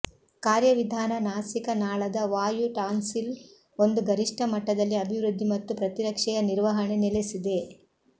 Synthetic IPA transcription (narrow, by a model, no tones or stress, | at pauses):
kaːɾjɐʋid̪ʱaːnɐnaːsikɐnaːɭɐd̪ɐʋaːjuʈaːnsil | o̞nd̪uɡɐɾiʂʈʰɐmɐʈːɐd̪ɐlːiɐbʱiʋɾud̪ʱːimɐt̪ːupɾɐt̪iɾɐkʂɛjɐniɾʋɐɦɐɳe̞nelesid̪e̞